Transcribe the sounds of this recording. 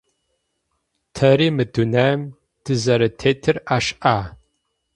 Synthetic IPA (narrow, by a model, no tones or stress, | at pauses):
tʰɐɾiːmɨdunɐm | d̥ʰɨzɐɾɐtʰeːtʰɨraːʃʔaː